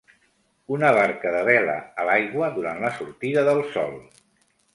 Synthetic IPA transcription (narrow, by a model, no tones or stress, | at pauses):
unəβaɾkəðəβɛlə̰əlajɣwəðuɾant̪ləsuɾt̪iðəðəlˠsɔ̰lˠ